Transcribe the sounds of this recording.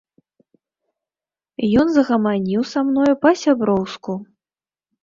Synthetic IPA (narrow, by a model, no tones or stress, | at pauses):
jɔnzɐɣɐmanʲiwsamnɔjupɐsʲabɾɔwsku